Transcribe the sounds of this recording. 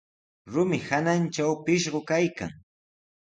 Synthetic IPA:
ɾʊmɪhanant͡ʃawpɪʃɢokajka̰ŋ

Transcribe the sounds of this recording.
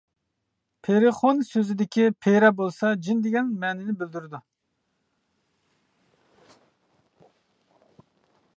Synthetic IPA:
pʰeɾɪχonsøzɪd̪ɪkʲʰipʰeɾɑbolˠsɑd͡ʒind̪ɪɡʲɛnmɛːnɪnɪbɪld̪yɾɪd̪u

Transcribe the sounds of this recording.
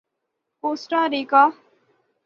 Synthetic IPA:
posʈaɾika

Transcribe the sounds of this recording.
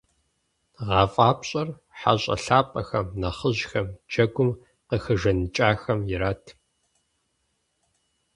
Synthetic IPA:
ʁɑːfʼaːpɕʼɐr | ħa̰ɕʼɐ̰ɬaːpʼɐxɐmnɐχəʑxɐmd͡ʒɐɡʷʊm | qəxɨʒɐnɨt͡ʃʼaːxɐmjɪɾaːtʰ

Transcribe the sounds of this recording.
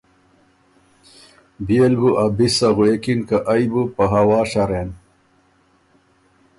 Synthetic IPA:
bielbuʔabisɐɣuekinkaʔɐjbupɐɦɐwɑːɕaɾen

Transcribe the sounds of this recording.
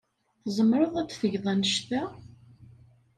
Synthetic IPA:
θzˤəmɾˤəðˤæd̪θəʝðˤɑnəʃt̪æ

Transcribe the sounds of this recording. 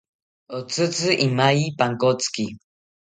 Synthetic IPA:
ot͡sɨt͡sɨʔimajipaŋkot͡ski

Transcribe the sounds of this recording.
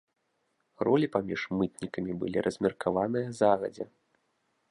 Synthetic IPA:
rʔɔlʲipamʲiʂmɨt̪nʲikɐmʲibɨ̰lʲiɾʔɐzʲmʲɛrkavanɨjɐzaɣɐ̰d͡zʲɛ

